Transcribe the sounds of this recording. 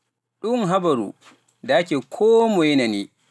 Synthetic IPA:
ɗʊŋɦabɐɾṵ | daakʲeːkʰoːmɔjinaniː

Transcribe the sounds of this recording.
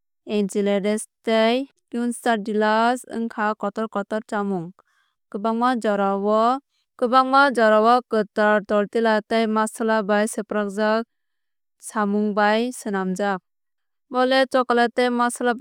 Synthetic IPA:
ent͡ʃiledɛstej | kjunstaɾdilasɯ̰ŋkʰakɔtɔɾkɔtɔɾt͡ʃamuŋ | kɯbaŋmad͡ʒɔɾawɔ | kɯbaŋmad͡ʒɔɾawakɯtaɾt̪ɔɾtilatejmasalabajsepɾak̚za | samuŋbajsɯnamd͡ʒak̚ | bɔlɛt͡ʃɔkalatemasala

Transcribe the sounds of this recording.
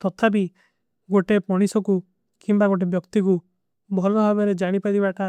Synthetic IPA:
t̪ɔt̪ʰapi | ɡoʈepɔɽ̃isɔku | kimbaɡoʈ̬ebjɔkt̪iku | bʱɔlɔɦabeɾed͡ʒaɽ̃ipaɾibaʈa

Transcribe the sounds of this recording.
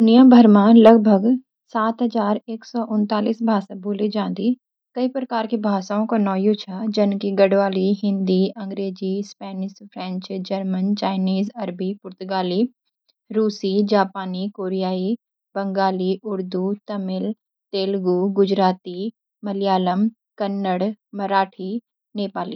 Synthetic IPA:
d̪ʊnijãbʱəɾmãlɐɡbʱəɡ | saːt̪ɦɐzaːɾeːksɔːʔʊnt̪aːliːsbʱaːsabʱoːled͡ʒãːnd̪i | kɐipɾəkaːɾkebʱaːsaːõkonɔːjot͡ʃʰad͡ʒɐnkiɡɐɽʋaːliɦɪ̃nd̪iɐ̃ŋɡɾeːd͡ʒispɛːnɪʃpʰɾɛ̃ːɲt͡ʃd͡ʒəɾmənt͡ʃaːɪniːzɐɾbipʊɾt̪ʊɡaːliː | ɾuːsid͡ʒaːpaːnikoːɾijaːi | bəŋɡaːliʔʊɾd̪ut̪əmɪl | t̪eːlɡuːɡʊd͡ʒɾaːt̪i | məljaːləm | kənːəɽməɾaːʈʰi | neːpaːlḭː

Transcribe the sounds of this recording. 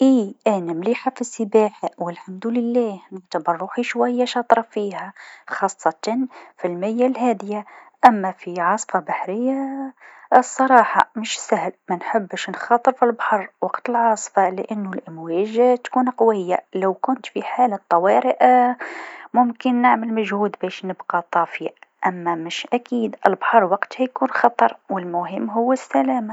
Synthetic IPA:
ʔiːʔænamliːħafisːəbaːħwɪlħamd̪ulɪlːæːhnəʕt̪abɑɾˤːuːħiʃwæjːaʃɑt̪ˤɾˤɑfihæxɑːsˤːɑt̪ɑnfilmɪjːalɦæːd̪ɪjaʔæmːæfiʕɑsˤfɑbaħɾɪjːa | sˤːɑɾˤɑːħɑ̰məʃsæhlmænħəbːəʃnxɑːt̪ˤəɾfilbaħɑrˤwɑqt̪ɪlʕɑːsˤfɑlɪʔanːʊlʔɪmwɛːʒt̪kuːnqwɪjːalawkʊnt̪fiħaːlat̪ˤːɑwɑːɾɪʔ | mʊmkɪnːɪʕmɪlmaʒhuːd̪bæːʃnɪbqɑt̪ˤɑːfiʔamːamɪʃʔakiːd̪ʔɪlbaħɑɾˤwɑqt̪hijkuːnxɑt̪ˤɑɾˤwɪlmʊɦɪmːɦʊwːɪsːælæːma

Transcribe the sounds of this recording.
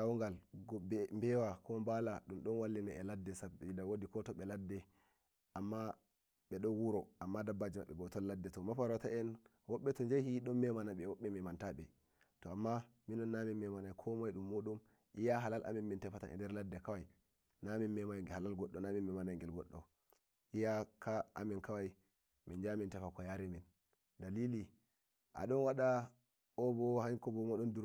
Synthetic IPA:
awŋɡalɡɔɛmbɛwakʰɔmbalaɗumɗɔnwalːinaɛladːɛsabidawodikɔtɔɓɛladːɛ | ʔamːa | ɓɛɗɔnwuɾɔʔamːadabːad͡ʒimaɓːɛɓɔtɔlːadːɛtɔmafaɾɔtaʔɛn | wɔɓːɛtɔnd͡ʒajhiɗɔmmɛmanaɓɛwɔɓːɛmɛmantaɓɛ | tɔamːa | minɔnːaminːɛmanajkʰɔmajɗumːoɗum | ʔijaɦalalʔa̰minmintɛfata̰nʔɛ̰ndɛɾladːɛkawaj | naminmɛmajhalalɡɔɗːɔnamimmɛmanajŋɡɛlɡɔɗːɔ | ʔijakʰaʔa̰mɛnkawaj | mɛnd͡ʒamintɛfakɔjaɾɛmin | dalili | ʔa̰ɗɔnwaɗa | ɔbɔhaŋkɔbɔmɔɗɔnduɾ

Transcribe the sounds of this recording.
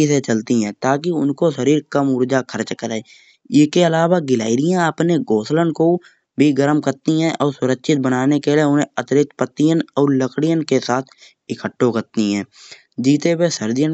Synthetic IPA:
iset͡ʃəlt̪iɦɛ̃ːt̪aːk̬iʊnkoʃəɾiːɾkəmʊɾd͡ʒakʰəɾt͡ʃkəɾae | ɪskeəlaːwaɡɪla̰ːɪɾɪjãəpneɡoːslənko | bʱiɡəɾmkəɾt̪iɦɛ̃ʔɔːɾsʊɾəkʃɪt̪̚bənaːnekeleʊnẽət̪ɪɾɪt̪pət̪ːijənɔːɾləkʰɽijənkesaːt̪ʰ | ɪkʰəʈːokəɾt̪iɦɛ̃ː | d͡ʒiːt̪ewesəɾd͡ʒijən

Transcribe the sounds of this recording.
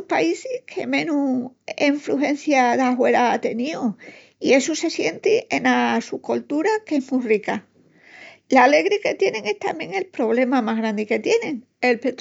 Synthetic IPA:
upaisikʰe̞̰mẽ̞nueɱfɾuɦe̞n̟θjaðaɦwe̞ɾaat̪e̞nio | ie̞suse̞sje̞nt̪iʔenasukolt̪uɾake̞ɦmurika | lale̞ɣɾike̞t̪je̞nẽ̞ŋe̞ht̪amje̞ŋe̞lpɾo̞β̞le̞mamaɦɣɾand̪ike̞t̪je̞nẽ̞ŋ | e̞lpet̪

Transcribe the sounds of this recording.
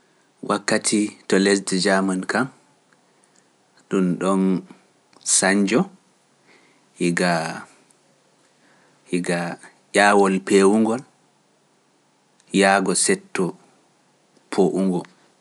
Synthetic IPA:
wʔakːatʰitɔles̬dɛd͡ʒamankam | ɗumɗɔn | saɲd͡ʒɔ | hiɡa | hiɡa | jaːwɔlpewuŋɡɔl | jaːɡɔsɛtːɔ | pʰoʔuŋɡɔ

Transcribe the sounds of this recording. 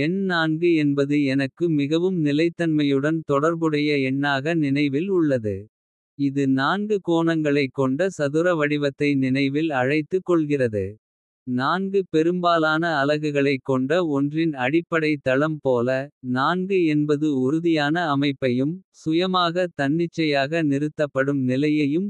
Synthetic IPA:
ɛnnaːnɡɯɛnbɐðɯɛnɐkːɯmɪɣɐʋɯmnɪlɐɪt̪ːɐnmɐjɯɽɐnt̪ɔɽɐɾbɯɽɐjɐɛɳːaːɣɐnɪnɐɪʋɪlʊɭːɐðɯ̰ | ɪðɯnaːnɡɯkoːɳɐŋɡɐɭɐɪkːɔɳɖɐsɐðɯɾɐʋɐɽɪʋɐt̪ːɐɪnɪnɐɪʋɪlɐɻɐɪt̪ːɯkːɔɭɣɪrɐðɯ | naːnɡɯpɛɾɯmbaːlaːnɐːlɐɣɯɣɐɭɐɪkːɔɳɖɐɔndrɪnɐɽɪpːɐɽɐɪt̪ːɐɭɐmpoːlɐnaːnɡɯɛnbɐðɯʊɾʊðɪjaːnɐːmɐɪpːɐjɯmsʊjɐmaːɣɐt̪ɐɳːɪt͡ʃːɐjaːɣɐnɪɾɯt̪ːɐpːɐɽɯmnɪlɐjɐjɯm

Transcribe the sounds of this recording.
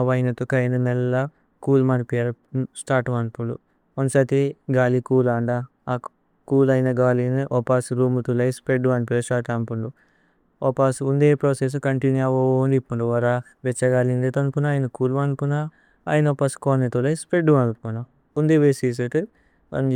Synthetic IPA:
ɐʋɐjnɐt̪ukɐjnɐnɛlːɐ | kuːlmɐnpijaɾ | sʈaːɾʈʋɐnpuɳɖṵ | ɐnsɐt̪iɡaːlikuːlaːɳɖa | kuːlɐjnɐɡaːlinuʔɔpaːsɾuːmut̪ulɐjspɾeɖːuʋɐnpuɐsʈaːʈɐmpuɳɖu | ɔpaːsund̪epɾoːses̬ukɐɳʈinuɐʋond̪ipːuɳɖuʋɐɾa | ʋet͡ʃːɐɡaːlind̪et̪ɐnpunaaːjinɐkuːlʋɐnpuna̰ː | jinopːaskoːnet̪ulɐjispɾeɖːuʋɐnpuɳu | und̪eʋesis̬eʈ̪i | ɐ̰

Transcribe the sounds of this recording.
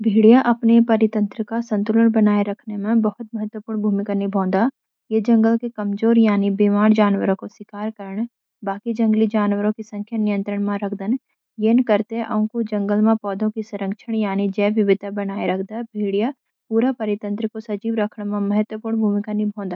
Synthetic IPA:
bʱiːɽijaʔɐpnepɐɾɪt̪ə̃nt̪ɾəkasə̃nt̪ʊləɳbɐnaːeɾɐkʰnemẽbəɦʊt̪̚mɐɦət̪wəpuːɾɳbʱuːmɪkanibʱõːnd̪a | jed͡ʒɐ̃ŋɡəlkekɐmzoːɾjaːnibimaːɾd͡ʒaːnwəɾõkoswɪkaːɾkəɾəɳ̃ | baːkid͡ʒɐ̃ŋɡlid͡ʒaːnwəɾõkisɐ̃ŋkʰjanɪjə̃nt̪ɾəɽ̃mãɾɐkʰd̪ən | jenkəɾt̪eʔɐ̰ʊ̃kud͡ʒɐ̃ŋɡəlmẽpɔːd̪ʱõkisɐɾə̃ŋkʃʰəɽ̃jaːnid͡ʒɛːʋɪʋɪd̪ʱbɐnaːeɾɐkʰd̪abʱiːɽija | puːɾapɐɾɪt̪ə̃nt̪ɾəkosɐd͡ʒiːʋɾɐkʰɳmẽmɐɦət̪wəpuːɾɳbʱuːmɪkanibʱõːnd̪a

